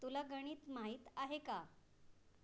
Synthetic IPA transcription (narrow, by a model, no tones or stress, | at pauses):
t̪ulaɡəɽ̃iːt̪maɦiːt̪aɦeka